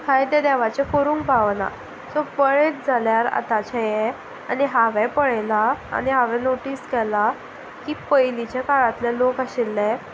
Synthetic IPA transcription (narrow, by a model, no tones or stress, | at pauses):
kʰajt̪ɛd̪ɛʋat͡ɕekoɾũːŋk̚baʋna̰ | sɔpəɭet̚d͡zʱaljaɾa̰t̪at͡ɕajeɛ | a̰niɦaʋɛpəɭɛlaa̰niɦaʋɛ̃noʈiːskɛla | kiːpəjlit͡ɕjakaɭat̪lɛlokaɕilːɛ